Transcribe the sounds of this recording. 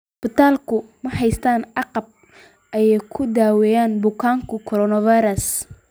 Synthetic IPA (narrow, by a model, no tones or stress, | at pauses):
bɪt̪ʰaːlkʰʊmɐɦɛjst̪ʰaːnɑqɑb̚ | ʔɐjɛjkʰʊd̪aːwɛjaːnbʊkʰaːŋkʰʊkʰɔɾɔnɐvajɾɐs